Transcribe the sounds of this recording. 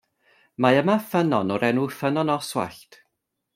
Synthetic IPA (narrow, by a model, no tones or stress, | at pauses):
maəmafənɔnɔɾɛnufənɔnɔswa̰ɬtʰ